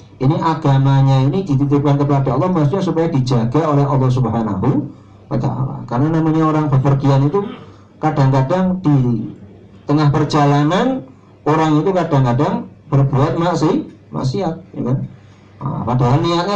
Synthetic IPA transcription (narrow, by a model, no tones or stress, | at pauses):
ʔiniʔaɡ̥amaɲainid̥it̪it̪ɪp̚kankəpadaɔlːɑhmast̪uɲasupajadid͡ʒaɡaolɛɦɑ̰lːɑhs̬ubɦana̰ɦu | pada̰a̰la̰kaɾənanamaɲaoɾaŋbərfərɡianit̪u | kadaŋkadaŋd̥i | t̪əŋahpərd͡ʒalanan | oɾaŋit̪ukadaŋkadaŋb̥ərbuat̪̚maʔsih | ma̰siɦat̪̚ja̰kan̰ | padaɦalniat̪̚ɲa